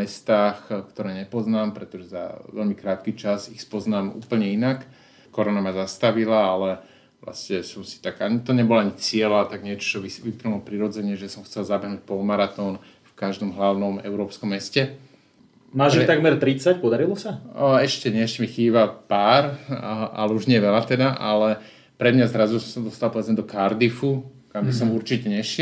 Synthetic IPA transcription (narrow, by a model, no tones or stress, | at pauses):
ɛst̪aːxkt̪ɔɾɛːɲɛpɔznaːmpɾɛt̪ɔʒɛza̰ʋɛ̰ʎmikɾaːt̪kit͡ʃasixspɔznaːmṵːpl̩ɲɛinak | kɔɾɔnamazast̪aʋilaalɛ | ʋla̰scɛsɔmsi̥t̪aɡaɲit̪ɔɲɛbɔlaaɲit͡sɪɛlat̪aɡɲɪɛt͡ʃɔ̥t͡ʃɔʋiʋipɾnulɔpɾiɾɔd͡zɛɲɛʒɛsɔmxt͡sɛlzabɛɦnuːc̚pɔlmaɾat̪ɔːn | fkaʒd̪ɔmɦlaʊnɔmɛ̰ʊɾɔːpskɔmːɛscɛ | maːʒiit̪aɡmɛɾt̪ɾit͡sac̚pɔd̪aɾilɔsaɛʃcɛɲɛɛʃcɛmixiːbapaːɾ | a̰lɛuʒɲɛɛʋɛlat̪ɛd̪aʔa̰lɛ | pɾɛd̪mɲazɾazusɔmsad̪ɔst̪alpɔʋɛd͡zɲɛd̪ɔkaɾd̪ifukambisɔmuɾt͡ʃicɛɲɛʃ